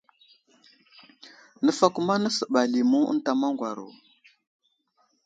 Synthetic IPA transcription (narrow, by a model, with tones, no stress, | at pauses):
nə˦fa˦ku˦ma˦nə˦sə˨ɓa˨li˨mu˦ə̰˦n˦ta˨ma˦ŋɡwa˨ɾo̰˨